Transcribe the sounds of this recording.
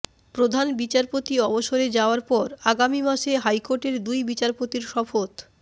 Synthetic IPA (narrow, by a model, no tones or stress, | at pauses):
pɾod̪ʱanbit͡ɕaɾpot̪iɔboʃoɾed͡ʑaoaɾpɔɾaɡamimaʃeɦajkoɾʈeɾd̪ujbit͡ɕaɾpot̪iɾʃɔfot̪